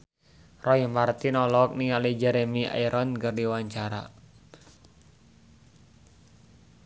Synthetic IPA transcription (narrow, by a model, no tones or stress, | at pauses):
rɔjimart̪inɔlɔk̚niŋalid͡ʒɛɾemiʔa̰iɾʔɔnkərdiwaɲt͡ʃaɾa̰